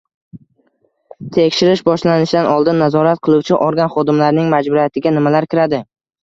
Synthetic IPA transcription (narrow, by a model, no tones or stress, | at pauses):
t̪ʰe̞kʲʃɪɾɪʃbɒʃlanɪʃd̪anɒlˠd̪ɪnːazɒɾat̪̚qʰɨlˠuwt͡ʃʰɪʔɒɾɡʲanχɒd̪ɪmlaɾɪnɪŋmad͡ʒbʊɾijat̪ʰɪɡʲanɪmalaɾkʲʰɪɾad̪ɪ